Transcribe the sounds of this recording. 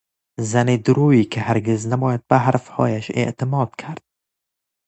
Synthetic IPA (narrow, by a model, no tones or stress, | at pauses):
zænid̪ʊɾuːiːkʰɪhæɾɡeznæbɒːjad̪̚bæɦæɾfhɒ̰ːjæʃḛʔt̪ʰɪmɒːd̪̥̚kʰæɾd̪̥̚